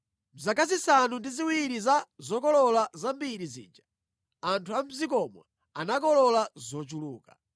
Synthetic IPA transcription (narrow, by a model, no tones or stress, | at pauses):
zakazisanundiziwiɾizazɔkɔlɔlazambiɾizḭːd͡ʒa | antʰuam̩zikɔmɔ̰ | anak̬ɔlɔlazɔt͡ʃuluːka